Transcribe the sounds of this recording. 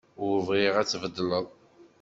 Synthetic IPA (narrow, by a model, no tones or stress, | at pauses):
vʁiʁæt͡sːvəd̪ːləðˤ